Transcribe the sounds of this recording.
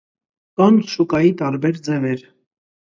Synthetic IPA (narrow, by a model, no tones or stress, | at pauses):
kɑnʃukɑjit̪ɑɾbɛɾd͡zɛvɛɾ